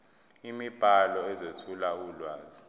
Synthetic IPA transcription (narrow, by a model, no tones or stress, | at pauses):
imib̥ʱalɔɛzetʰulaulwaːzi